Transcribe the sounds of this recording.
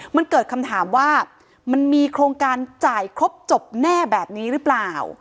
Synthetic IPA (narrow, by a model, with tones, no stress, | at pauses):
ma˧nkɤː˨˩t̪̚kʰa˧mt̪ʰaː˩˦mwaː˥˩ | ma˧nmiː˧kʰɾoː˧ŋkaː˧nt͡ɕaː˨˩jkʰɾo˦˥p̚t͡ɕo˨˩p̚nɛː˥˩bɛː˨˩p̚niː˦˥ɾɯ˦˥plaː˨˩w